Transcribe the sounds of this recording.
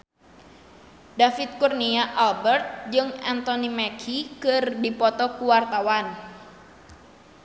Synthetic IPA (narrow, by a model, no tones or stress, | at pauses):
dafit̪̚kurniaʔalbɛrt̪̚d͡ʒɨŋɛnt̪ɔnimakʰikɨrdipɔt̪ɔkuwart̪awan